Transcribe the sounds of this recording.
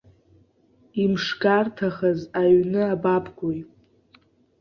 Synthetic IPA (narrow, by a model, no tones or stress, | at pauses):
imʂɡartʰaχazaɥnɨabapʰʼɡʷoj